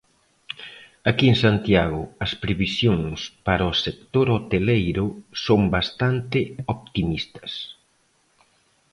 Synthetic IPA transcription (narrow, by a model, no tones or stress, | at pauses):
akieŋsant̪jaɣ̞ʊɐspɾeβisjoŋspaɾɐosek̚t̪oɾot̪elejɾʊsombast̪ant̪ɪopt̪imist̪ɐ̥s